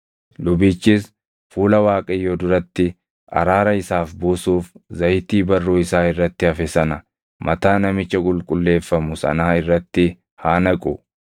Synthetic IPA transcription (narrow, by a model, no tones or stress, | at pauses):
lʊbiːt͡ʃːɪs | fuːlɐwaːkʼɐjːoːd̪ʊɾɐt̪ːɪ | ɐ̰ɾaːɾɐɪsaːfbuːsuːfzɐjɪt̪iːbɐrːuːɪsaːɪrːɐt̪ːɪɐfɛsɐnɐ | mʔɐt̪aːnɐmɪt͡ʃːɐkʼʊlkʼʊlːe̞ːfːɐmʊsɐ̰naːɪrːɐt̪ːɪ | haːnɐkʼʊ